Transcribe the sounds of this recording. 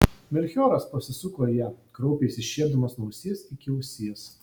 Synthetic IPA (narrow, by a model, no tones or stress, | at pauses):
mʲɛlʲxʲoːɾɐspɐsʲɪsʊkɐjɛkɾɔʊpʲeːsʲɪʃʲiɛɾʲd̪ɐmɐsnɔʊsʲiɛsɪkʲɪʊsʲiːɛs